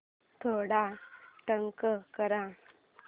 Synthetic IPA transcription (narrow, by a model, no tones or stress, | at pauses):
t̪ʰoɽaʈəŋkəkəɾã